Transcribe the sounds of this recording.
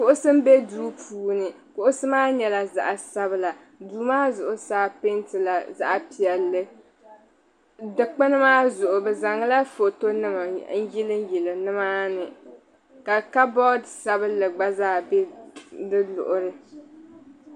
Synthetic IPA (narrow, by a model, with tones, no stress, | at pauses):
kʊ˨ʔʊ˦sɨ˦m̩˦be˦duː˦pʰuː˦nɨ˨ | kʊ˦ʔʊ˦sɨ˦maː˦ɲɛ˨la˨za̰˨ʔa˨sa˦βɨ˦la˨ | duː˨maː˦zʊ˨ʔʊ˨saː˦pe˦ntɨ˨la˨za̰˦ʔa˨pi˨ɛ˨lːɨ˦ | dɨ˨k͡pɨ˦nɨ˦maː˦zʊ˨ʔʊ˨bɨ˨za˨ŋɨ˦la˦fo˨to˦nɨ˦ma˨n̩˦ji˦lɨ˦m˦ji˨lɨ˨nɨ˦maː˦nɨ˨ | ka˨ka˦bɔ˦dsa˦bɨ˦lɨ˨ɡ͡ba˦zaː˦˨bɛ˦dɨ˦lʊ̰˨ʔʊ˨ɾɨ˦